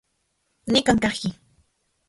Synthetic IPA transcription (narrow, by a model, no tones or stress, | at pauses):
nɪkaŋkɑχkɪ